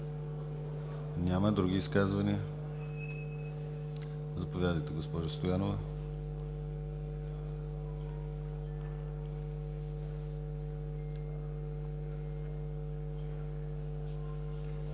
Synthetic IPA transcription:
nʲamɐd̪ɾuɡiːskazvɐniə | zɐpovʲjad̪əjt̪ɛɡospɔʒəst̪ojanovə

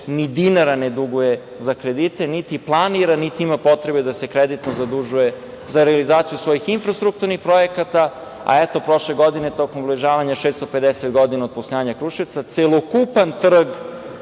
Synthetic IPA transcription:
nid̪inaɾaned̪uɡuje | zakɾed̪it̪enit̪iplˠaniɾanit̪iimapo̞t̪ɾebed̪asekɾed̪it̪nozad̪uʒuje | zaɾealizaːt̪sijusʋo̞jixinfɾast̪ɾuk̚t̪uɾnixpɾo̞jekat̪a | a̰et̪o̞pɾo̞ʃleɡo̞d̪inet̪o̞komvliʒaːʋaɲaʃest̪oped̪eset̪ɡo̞d̪inaod̪̚poslojaːɲakɾuʃiʋt̪sat̪selˠokupant̪r̩ɡ

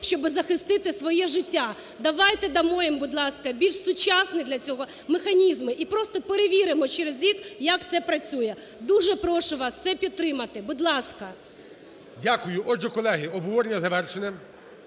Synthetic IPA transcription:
ʃt͡ʃɔbɪzɐxɪst̪ɪt̪ɪsʋɔjɛʒɪtʲːa | d̪ɐʋɑjt̪ɛd̪ɐmɔjɛmbʊd̪lˠɑskɐbʲilʲʃsʊt͡ʃasnɪd̪lʲɐt͡sʲɔɦɔ | mexɐnʲizmɪʔipɾɔst̪ɔpeɾeʋʲiɾɪmɔt͡ʃɛɾezɾʲikjɐkt̪sɛpɾɐt͡sʲujɛ | d̪uʒɛpɾɔʃʊʋɑst̪sɛpʲit̪̚ːɾɪmɐt̪ɪbʊd̪lˠɑskɐ | dʲakʊjʊʔɔʒɛkɔlˠɛɦɪɔbɔʋɔɾenʲːɐzɐʋɛrʃenɛ

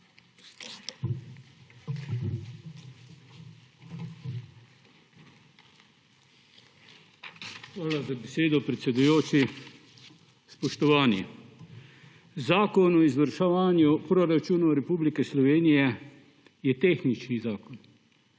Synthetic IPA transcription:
xʋaːlazabeseːd̪ɔpɾɛt̪sɛd̪ujoːt͡ʃi | spɔʃt̪ɔʋaːnjɛ | zaːkɔnɔizʋəɾʃaʋaːnjupɾɔɾat͡ʃuːnɔɾɛpublikɛslɔʋeːnijɛ | jɛt̪eːxnit͡ʃnizaːkɔn

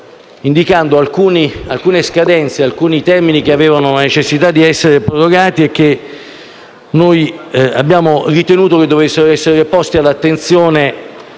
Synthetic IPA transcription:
ind̪ikand̪oalkuːnialkuːneskad̪ɛnt̪sealkuːnit̪ɛrminik̟eaveːvanolanet͡ʃesːit̪ad̪ːiɛsːeɾepɾoɾoɡaːt̪iek̟ːe | noja̰bjaːmorit̪enuːt̪ok̟ed̪ːovesːeɾoɛsːeɾepɔst̪ialːat̪ːent̪sjoːne

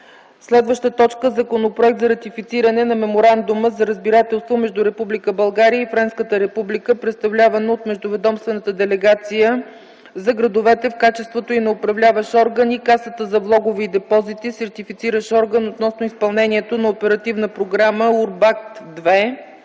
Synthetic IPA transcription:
slɛd̪vəʃt̪ət̪ɔt͡ʃkəzɐkonopɾoʊɛk̚t̪zɐɾɐt̪ifit̪siɾənɛnɐmɛmoɾand̪ʊməzɐɾəzbiɾat̪ɛlˠst̪vomɛʒd̪ʊɾɛpublikəbɐlˠɡaɾijəifɾɛnskət̪əɾɛpublikəpɾɛt̪st̪ɐvlʲavənoot̪mɛʒd̪ʊvɛd̪ɔmst̪vɛnət̪əd̪ɛlɛɡat̪sijə | zɐɡɾɐd̪ovɛt̪ɛfkat͡ʃɛst̪vot̪oinɛʊpɾɐvlʲavəʃɔɾɡənikasət̪əzɐvlˠɔɡoviːd̪ɛpɔzit̪isɛɾt̪ifit̪siɾəʃɔɾɡənot̪nɔsnoispɐlˠnɛnʲiɛt̪onɐopɛɾɐt̪ivnəpɾoɡɾaməuɾbak̚t̪d̪vɛ

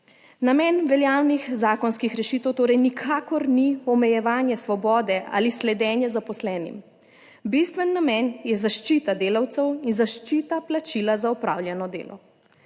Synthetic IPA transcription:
namɛːnʋɛljaːwnixzaːkɔnskixɾɛʃiːt̪ɛwt̪oːɾɛjnikʰaːkɔɾniɔmɛjɛʋaːnjɛsʋɔbɔːd̪ɛʔa̰ːlislɛd̪ɛːnjɛzapɔslɛːnḭm | bist̪ʋɛnːamɛnjɛzaʃt͡ʃit̪ad̪eːlawt̪sɛwinzaʃt͡ʃiːt̪aplat͡ʃilazaɔpɾa̰ːwljɛnɔd̪ḛːlʔɔ̰

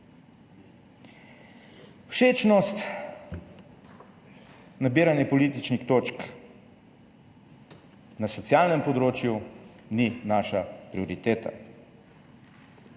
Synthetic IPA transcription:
wʃeːt͡ʃnɔst̪ | nabiːɾanjɛpɔlit̪̬it͡ʃnixt̪ot͡ʃk | nasɔt̪sjalnɛmpɔd̪ɾoːt͡ʃjuninaːʃapɾiɔɾit̪eːt̪a̰

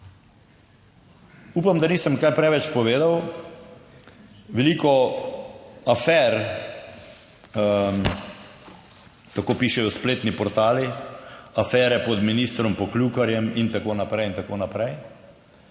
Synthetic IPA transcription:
uːpamd̪aniːsəmkajpɾɛʋɛt͡ʃpɔʋeːd̪aw | ʋɛliːkɔ | afɛɾ | t̪akoːpiʃɛjɔspleːt̪nipɔɾt̪aːli | afɛːɾɛpɔd̪minist̪ɾɔmpɔklukaɾjɛmint̪akoːnapɾɛjint̪akoːnapɾɛj

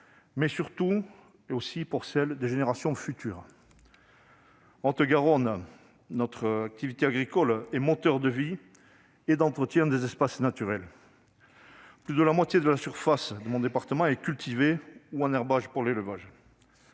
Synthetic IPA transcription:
mɛsyʁt̪u | osipuʁsɛld̪eʒeneʁasjɔ̃fyt̪y̰ːʁ | ɑ̃t̪əɡaʁɔn | nɔt̪χəak̚t̪ivit̪eaɡʁikɔlɛmɔt̪œʁd̪əvi | ed̪ɑ̃t̪χət̪jɛ̃d̪ezɛspasnat̪yʁɛl | plyd̪əlamwat̪jed̪əlasyʁfasd̪əmɔ̃d̪epaʁt̪əmɑ̃ɛkʲylt̪ʰiveuɛ̃nɛʁbaʒpuʁleləvaʒ

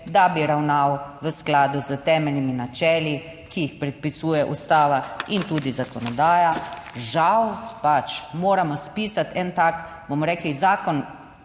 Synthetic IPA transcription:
d̪abiɾawnawʋəsklaːd̪uzət̪ɛːmɛlniminat͡ʃɛːli | kijixpɾɛt̪̚pisuːjɛʔust̪aːʋaint̪uːd̪izakɔnɔd̪aːjaʒawpat͡ʃmoːɾamɔspiːsat̪ɛnt̪ak | bomɔɾɛːklizaːkɔn

